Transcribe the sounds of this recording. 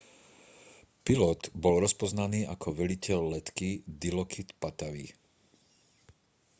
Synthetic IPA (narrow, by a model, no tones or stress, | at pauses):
pilɔt̪bɔlɾɔspɔznaniːʔakʰɔʋɛlicɛlːɛt̪kid̪ilɔkʰit̪pat̪aʋi